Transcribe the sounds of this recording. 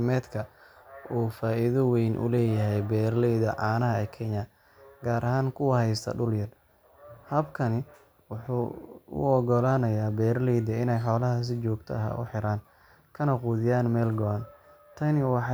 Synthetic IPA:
mɛːd̪kʰɐʔuːfaːʔɪðɐwɛjnʔʊ̰lɛːjɐɦɛjbɛːrlɛjðɐʕɑːnɐɦɐɛːkʰɛnɐ | ɡaːɾʔɐɦaːŋkʰʊwɐhɛjst̪ʰɐ̰ɖʊljɐr | hɐbkʰɐnɪ | wʊħṵːʊ̰ɔɡɔlaːnɐjaːbɛːrlɛjd̪ɐɪnɛjħɔːlɐɦɐs̬ɪt͡ʃɔːɡ̚t̪ʰɐ̰ɐɦa̰ʔʊ̰ħɪɾaːn | kʰɐnɐquːðɪjaːnmɛːlɡɔɐn | t̪ʰɐnɪwɑħ

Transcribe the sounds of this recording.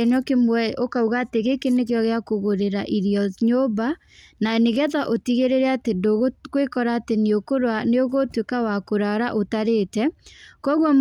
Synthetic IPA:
enɔkemwɛʔokauɣaːteɣekenekjɔɣeakoɣoɾeɾaʔiɾiɔɲoba | naneɣɛðaʔotiɣeɾeɾɛatedoɣokwekɔɾaːteneokoɾwaneoɣotwekawakoɾaɾaʔotaɾetɛkɔɣwɔm

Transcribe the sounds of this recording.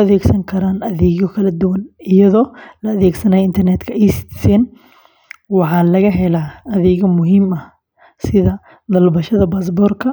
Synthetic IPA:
ɐðɛːɡsɐŋkʰɐɾaːnɐðɛːɣɔkʰɐlɐd̪ʊwɐnɪjɐðɔːlɐːðɛːɡsɐnaːjɪnt̪ʰɐrnɛːd̪kʰɐɛst̪ɪ̥sɛːn | wɑħɑːlɐɣɐɦɛlaːɐðɛːɣɐmʊɦiːmɐh | sɪðɐ | d̪ɐlbɐʃɐðɐbas̬bɔːrkʰɐ

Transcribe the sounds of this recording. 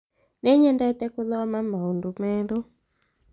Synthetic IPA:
nɛɲɛndaitɛkuðɔamamaundumɛːɺɔ

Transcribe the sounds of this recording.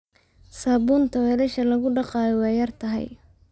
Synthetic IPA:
saːbunt̪ʰɐwɛːlɛʃɐlɐɣʊɖɑqɑːjɔwɑːjɐrt̪ʰɐɦɛ̰j

